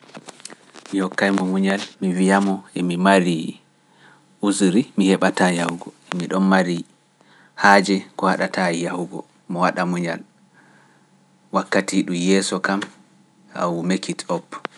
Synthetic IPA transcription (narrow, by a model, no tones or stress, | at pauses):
mihɔkːajmɔmuɲalmivijamɔɛmimaɾi | uzɾimihɛɓatajahuɡɔ | ɛmiɗɔnmaɾi | haːd͡ʒɛkɔhaɗatʰajjahuɡɔ | mɔwaɗamuɲal | wakːatiɗumjɛːsɔkam | a̰wumekitɔpː